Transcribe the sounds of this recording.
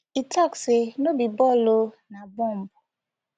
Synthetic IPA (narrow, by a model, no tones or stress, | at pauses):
itaksenobibɔlo | nabɔm̩bʊ